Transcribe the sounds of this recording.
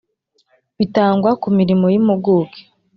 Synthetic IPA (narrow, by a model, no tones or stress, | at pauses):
βitaːŋɡwakumiɾimojimoɡoːke̥